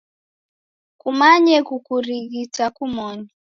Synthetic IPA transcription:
kumaɲɛkukuɾiɣitakumɔɲɔ

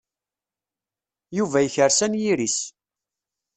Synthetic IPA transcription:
juvæjəçəɾsænjiɾis

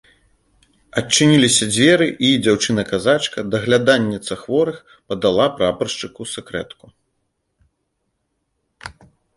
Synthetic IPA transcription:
ɐt͡ʂːɨnʲilʲisʲɐd͡zʲvʲɛɾɨʔid͡zʲawt͡ʂɨnɐkazat͡ʂkɐd̪ɐɣlʲad̪anʲːit̪sɐxvɔɾɨx | pɐd̪alˠapɾapɐrʂt͡ʂɨkusɛkɾɛt̪ku

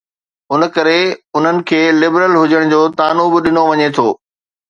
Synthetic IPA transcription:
ʊnə̆kɐɾeʊn̤ənɪ̆kʰeːlɪbɾəlɦʊd͡ʑəɽ̃d͡ʑoːt̪aːnubɪɗɪnoʋɐɲet̪ʰoː

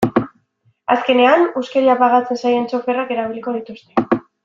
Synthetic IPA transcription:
aske̞ne̞anuskeɾiapaɣat͡se̞nsaje̞nt͡ʃo̞fe̞rake̞ɾaβ̞iliko̞ð̞it̪ust̪e̞

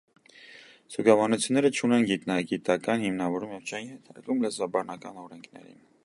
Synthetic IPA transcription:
suɡɑvɑnut͡sʰjunːɛɾət͡ʃʰunɛnɡit̪nɑɡit̪ɑkɑnhimnɑvɔɾumjɛvt͡ʃʰɛinhɛt̪ʰɑ̰ɾkumləzɑbɑnɑkɑnɔɾɛŋkʰnɛ̰ɾḭn

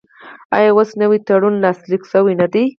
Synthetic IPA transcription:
ɑ̰jɑwosnəwit̪aɽunlɑsliksəwinad̪i

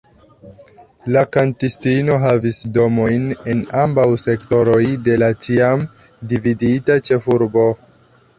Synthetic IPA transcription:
lakantistino̞ɦavisdo̞mo̞jne̞nambawse̞kto̞ɾo̞jde̞lat͡ʃiam | dividitat͡ʃe̞fuɾbo̞

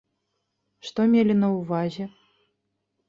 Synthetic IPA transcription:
ʂt̪ɔmʲelʲinɐwvazʲɛ

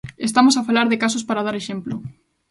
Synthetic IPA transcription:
est̪amosafalaɾðɪkasospaɾað̞aɾeʃemplʊ

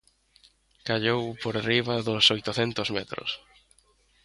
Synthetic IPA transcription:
kaʎowpoɾariβɐðʊsojt̪ʊθɛnt̪ʊzmɛt̪ɾʊ̰s

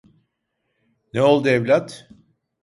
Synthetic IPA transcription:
neo̞lˠd̪ɯevlʲat̪

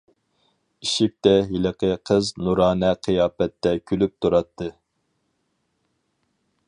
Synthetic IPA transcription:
iʃɪk̚ʲt̪ɛɦiləqəqʰəznuɾɑːnɛqʰɨjɑːpɛt̪ːɛkʲʰylyp̚t̪ʰuɾɑt̪ʰːɨ

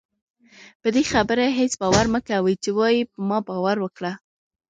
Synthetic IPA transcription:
pəd̪exabəɾaɦet͡sbɑwaɾməkawit͡ʃewɑjipəmɑbɑwaɾwəkɽa

